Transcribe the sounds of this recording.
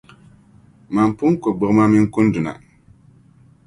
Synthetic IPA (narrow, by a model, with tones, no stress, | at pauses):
ma˨m˨pʊ˦ŋ˦ko˨ɡ͡bʊ˨ɣma˦mɪ˦ŋ˦kʊ˦n˦dʊ˨na̰˨